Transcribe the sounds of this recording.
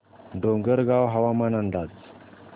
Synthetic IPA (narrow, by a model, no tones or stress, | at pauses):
ɖoŋɡəɾɡawɦaʋamanand̪at͡s